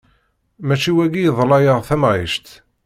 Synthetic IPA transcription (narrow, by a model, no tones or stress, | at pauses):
mæt͡ʃiwæɡijðˤlɑjəʁθæmʁiʃt̪